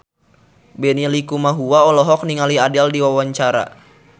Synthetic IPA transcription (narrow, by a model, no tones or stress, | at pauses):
bɛnilikumaɦuwaɔlɔɦɔk̚niŋaliadɛldiwawaɲt͡ʃaɾa̰